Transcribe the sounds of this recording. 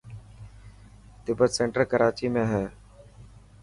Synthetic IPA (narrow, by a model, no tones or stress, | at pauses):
t̪ɪbət̪sẽːɳʈəɾkəɾaːt͡ʃiːmẽːɦɛː